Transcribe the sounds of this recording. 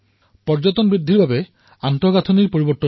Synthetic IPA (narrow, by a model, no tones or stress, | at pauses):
pɔɹd͡ʑɔt̪ɔnbɹid̪ʱːiɹbabɛ | antɔɡatʰɔniɹpoɹibɔt̪ːɔ